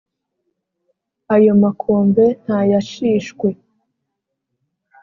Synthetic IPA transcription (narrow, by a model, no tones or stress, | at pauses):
ajomakʰoːmbe̞n̥hajaʃiːʃkwe